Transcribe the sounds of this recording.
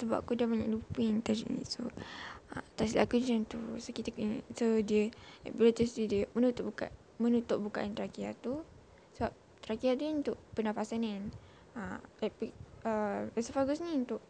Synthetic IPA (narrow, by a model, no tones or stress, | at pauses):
səba̰pkudamaɲa̰ʔlupint̪ad͡ʒḭʔnḭ̃soat̪aslʔa̰kud͡ʒənt̪usokit̪aksodiəa̰ʔbilat̪ist̪udiəmənut̪ʊʔbka̰ʔ | mənut̪ʊʔ̚buka̰ʔant̪ɾakiat̪u | səbap̚ | t̪ɾakiad̪uəunt̪ʊʔpənapasanan | aɛpiəɛsəfaɡʊsɲiunt̪ʊʔ